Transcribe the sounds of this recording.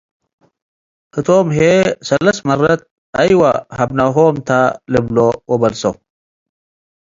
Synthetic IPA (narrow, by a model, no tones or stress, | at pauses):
ɨt̪ʰoːmɦesɐlːɐsmɐrɐt̪̚ | ɐjwahɐbnɐɦoːmt̪ʰalɨblowɔbɐlso